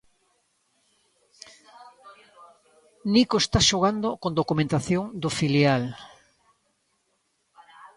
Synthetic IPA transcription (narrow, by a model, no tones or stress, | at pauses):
nikoest̪aʃoɣ̞and̪okond̪okumẽnt̪aθjoŋd̪ʊfiljal